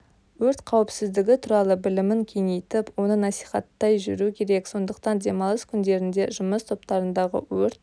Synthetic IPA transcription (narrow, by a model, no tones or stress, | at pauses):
wɵɾt̪qʰɑwɪpsɪzd̪ɪɡʲɪt̪ʰuɾɑlˠəbɪlɪmɪŋkʲʰeŋejt̪ɪpwo̞nənɑsi̥jχɑt̪ːɑjʒʏ̰ɾukʲʰe̞ɾe̞kso̞nd̪əq̚t̪ɑnd̪e̞mɑlˠəskʲʰʏnd̪e̞ɾɪnd̪e̞ʒʊməst̪ʰo̞pt̪ɑɾənd̪ɑʁə̰wɵɾt̪